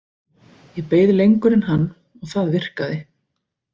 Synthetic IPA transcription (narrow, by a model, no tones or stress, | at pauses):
jɛpeːjðlejŋkʏɾɪnɦanː | ɔɣθaðvɪr̥kaðɪ